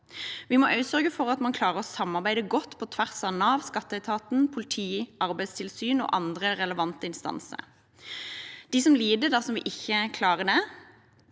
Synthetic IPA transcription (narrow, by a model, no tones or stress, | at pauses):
ʋɪmɔʔɑʉt̪sœʁɡəfɔʁɑt̪mɑnkʰlɑːʁəʁɔsɑmːɑʁbæɪd̪əɡɔt̪ːpʰɔt̪ʰʋæʁsɑnɑʋskɑt̪ːəæɪt̪ʰɑːt̪n̩pʰʊlɪt̪ʰiːɑʁbæɪst̪ʰɪlsyːno̰ːʔɑnd̪ʁəʁɛləʋɑnt̪əɪnst̪ɑ̰nsə̰ɾ | d̪̥isɔmliːd̪əd̪ɑsɔmʋɪ̰ʔɪçːəkʰlɑːʁəd̪ɛ